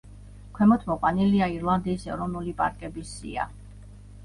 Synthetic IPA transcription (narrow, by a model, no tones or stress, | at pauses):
kʰwɛmɔt̪ʰmɔqʼwaniliaiɾlˠand̪iːsɛɾɔvnulipʼa̰ɾkʼɛbisḭa̰